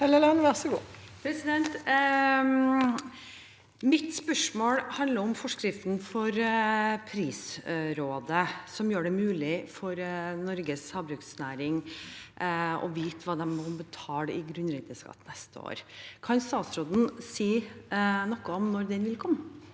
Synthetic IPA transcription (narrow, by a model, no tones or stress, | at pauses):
hɛlɛlɛnʋæʁsəɡuː | pʰɾɛsɪd̪ɛnt̪ | mɪt̪spœʂmoːɽhɑnd̪ləɾɔmfɔʂkɾɪft̪n̩fɔɾpʰɾiːsɾoːd̪əsɔmjøːɖɛmʉːlɪfɔɾnɔɾɡəshɑbɾʉːksnæːɾɪŋ | ɔ̰ʋiːt̪ʰʋɑːd̪ɛmːɔbət̪ʰɑːlɪɡɾʉnɾɪt̪əskɑ̰t̪ːnɛst̪əo̰ːɾkʰɑnst̪ɑːt̪sɾoːd̪n̩siː | nɔkːəɔmnɔɾd̪ɛnʋɪlkʰɔmːə